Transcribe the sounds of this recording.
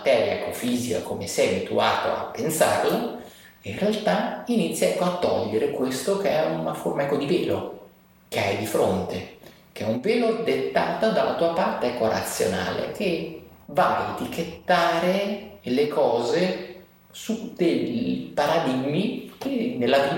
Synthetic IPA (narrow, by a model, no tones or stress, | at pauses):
mat̪ɛːɾja̰ɛ̰kːofiːzika̰komesɛjabit̪uaːt̪o̰a̰pːensa̰rla | inrealt̪ainit̪sːjaɛkːoat̪ːɔ̰ʎːeɾekwest̪okeɛunaformaɛkːod̪iveːlo | k̟eajd̪ifɾont̪e | k̟eɛuɱveːlod̪et̪ːaːt̪ad̪alːat̪uːapart̪eɛkːoɾa̰t̪sːjo̰na̰ːlḛk̟evaleet̪iket̪ːaːɾelekʰɔːze | sud̪eʎpaɾad̪iɡmikenelːaviː